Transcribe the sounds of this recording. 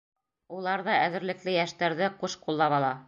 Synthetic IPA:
ulˠɑɾðɑʔæðɘ̆ɾlɘ̆klɘjæʃt̪æɾðɘquʃqulˠːɑβɑlˠɑ

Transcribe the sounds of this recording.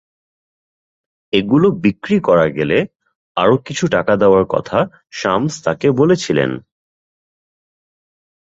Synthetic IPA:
eɡulobikɾikɔɾaɡele | a̰ɾokit͡ɕʰuʈakad̪eoaɾkɔ̰t̪ʰa | ʃamst̪akebolet͡ɕʰilḛn

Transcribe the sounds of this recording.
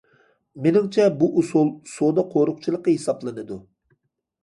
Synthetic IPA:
menɪŋt͡ʃʰɛbuʔusulˠsod̪ɑqʰoɾʊq̚t͡ʃʰilˠəqːəɦesɑplˠɨnɨd̪u

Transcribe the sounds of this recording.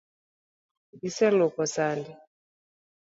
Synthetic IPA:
isɛlokɔsandi

